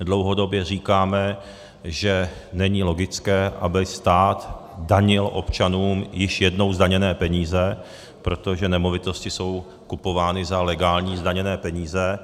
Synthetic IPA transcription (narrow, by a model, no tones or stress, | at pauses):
dlo̞wɦo̞do̞bjɛr̝iːkaːmɛ | ʒɛnɛɲɪlo̞ɡɪt͡skɛːʔa̰bɪst̪aːt̪ | daɲɪlʔo̞̰pt͡ʃanuːmjɪʃjɛdno̞wzdaɲɛnɛːpɛɲiːzɛ | pɾo̞t̪o̞ʒɛnɛmo̞vɪt̪o̞scɪso̞w | kupo̞vaːnɪzalɛɡaːlɲiːzdaɲɛnɛːpɛɲiːzɛ